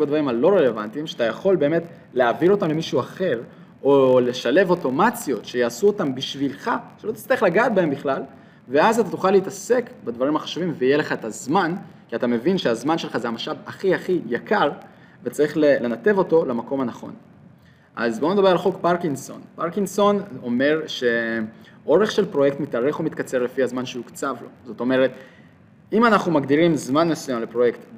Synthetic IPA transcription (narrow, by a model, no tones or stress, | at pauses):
bedvaʁimalo̞ʁe̞le̞vantimʃeatajaχo̞lbe̞ːme̞t | leavilo̞tamle̞miʃuaχe̞ʁ | ole̞ʃale̞vo̞to̞mat͡sjo̞tʃe̞jaːsuotambiʃvilχaʃeot̪i̥t͡st̪aʁiχlaɡaːt̚bae̞mbiχlal | ve̞azat̪atuχaleitase̞kbed̪vaʁimhaχḁʃuvimveijele̞χaetazmankiat̪ame̞vinʃeazmanʃelχazeamaʃavaχiaχijakaʁ | vet͡saʁiχlele̞nat̪e̞vo̞to̞lamako̞mhanaχo̞̰n | ʔa̰zbo̞ned̪abe̞ʁalχo̞kpaʁkinso̞̰npaʁkiŋso̞no̞me̞ʁʃe̞ | o̞ʁe̞χʃe̞lpʁo̞jekt̪mit̪aʁeχomit̪kat͡se̞ʁle̞fiazmanʃeukt͡savlo̞zo̞t̪o̞me̞ʁe̞t̪ | imanaχnumaɡdiʁimzmanmesujamle̞pʁo̞je̞kt̪